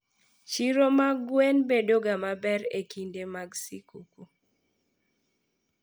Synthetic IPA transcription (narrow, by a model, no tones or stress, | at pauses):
t͡ʃiɾomaɡwenbedoɡamabɛɾekindemaɡsikuku